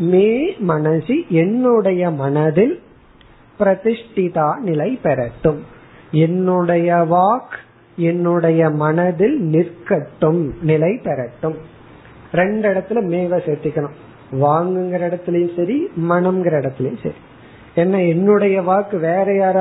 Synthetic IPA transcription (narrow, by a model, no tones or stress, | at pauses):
meːmɐnɐsiʔɛnːɯɽɐjɐmɐnɐðɪl | pɪɾɐt̪ɪʂʈɪt̪aːnɪlɐɪpɛɾɐʈːɯmɛnːɯɽɐjɐʋaːk | ɛnːɯɽɐjɐmɐnɐðɪlnɪɾkɐʈːɯmnɪlɐɪpɛɾɐʈːɯm | ɾɛɳɖɪɽɐt̪ːɪlmeːʋɐsɛɾt̪ːɪkːɐɳɯ | ʋaːŋɡɯŋɡɐɾɐɪɽɐt̪ːɪlɐjʊ̃sɐɾimɐnɐmɡɪɾɐɪɽɐt̪ːɪlɐjʊ̃sɐ̰ɾi | ɛnːɐɛnːɯɽɐjɐʋaːkːɯʋeːɾɐjaːɾ